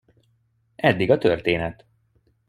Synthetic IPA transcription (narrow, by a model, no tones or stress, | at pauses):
ʔɛd̪ːiɡɒt̪ørt̪eːnɛt̪